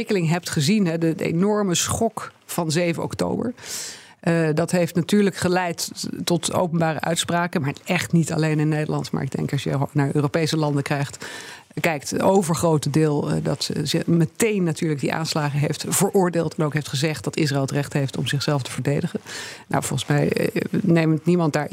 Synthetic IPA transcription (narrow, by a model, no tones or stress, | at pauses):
ɪkəlɪŋɦɛp̚tχəzinɦɛdəḛjnɔɹməsχɔk | fɑnzejvənʔɔ̰kto̰wbə̰ɹ | dɑtɦejftnatyːɹləkχəlɛjtːɔto̰wpənbaːrə̰ʔœ̰ɥtspraːkənmaːɹɛχtnitɑ̰lejnɪnːejdə̰lɑ̰ntma̰ːɹɪɡ̚dɛ̰ŋkɑsjə̰naːɹʔøːropejsəlɑndəkrɛjχt | kɛjktowvəɹχrowtədɪːlˠdɑtzɪmətejnːatyːɹlək̚diʔa̰ːnslaːχəɦejftv̥əɹʔʊːɹdeːlˠtɛnowkɦejftχəzɛχt̚d̥ɑtɪs̬raɪlˠətrɛχtɦejftɔ̰mzɪχsɛlˠftəv̥əɹdejdəχənna̰wvɔlˠχən̩smɛjnejməntnimɑnt̚daːɹ